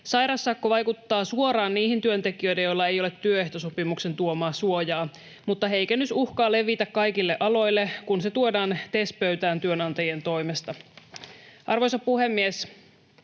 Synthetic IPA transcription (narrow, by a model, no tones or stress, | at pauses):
sɑjɾɑsːɑkːoʋɑjkut̪ːɑːsuoɾɑːnniːhint̪yønt̪e̞kiø̞jdejolːɑe̞jolet̪ːyøeht̪o̞sopimukse̞nt̪uomɑːsuojɑː | mut̪ːɑɦejkænyt̪uhkɑːle̞ʋit̪ækkɑjkilːeʔɑlo̞jlːe̞kunse̞t̪uodɑːnt̪e̞spøɥt̪æːnt̪yønɑnt̪ɑjie̞nt̪o̞jmest̪ɑ | ʔɑrʋo̞jsɑpuhe̞mːies